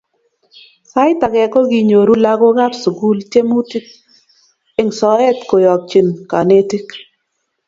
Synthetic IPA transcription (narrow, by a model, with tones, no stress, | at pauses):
sa˦ɪ˦ta˨ɡɛ˨kɔ˦ɡi˨ɲo˨ɾu˦la˦ɡo˦ɡa˦psɡu˦lt͡ʃe˦mu˦ti˦k̚ | ɪ˦ŋsɔ˨ɛ˦t̪ko˨jɔ˨k̚t͡ʃi˨nka˨ne˦ti˦k